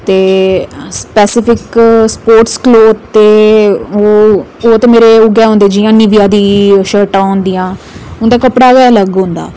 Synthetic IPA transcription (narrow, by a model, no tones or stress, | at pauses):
t̪eːspɛːsɪpʰɪkspoːɾʈskloːd̪t̪eːoːoːt̪eːmeːɾeʊɡɛːɦõːnd̪eːd͡ʒɪjãːniʋijãːd̪iːʃəːɾʈãːʊ̃ːnd̪ijãː | ʊnd̪aːkəpɽaːɡɛːləɡɦõnd̪a̰ː